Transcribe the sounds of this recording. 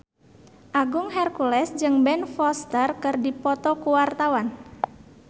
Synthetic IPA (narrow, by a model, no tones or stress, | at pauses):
ʔaɡuŋɦɛrkulɛsd͡ʒɨŋbɛnfɔst̪ərkɨrdipɔt̪ɔkuwart̪awan